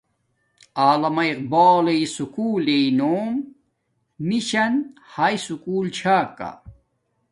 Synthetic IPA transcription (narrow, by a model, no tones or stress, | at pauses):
aːlɐmɐiq̚baːleisukuːleinoːm | miɕɐnhaːisukuːlt͡ɕʰaːkːa̰